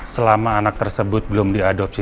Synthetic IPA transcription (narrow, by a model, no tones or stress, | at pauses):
səlamaːnak̚t̪ərsəbʊt̪̚bəlʊmdiadɔp̚si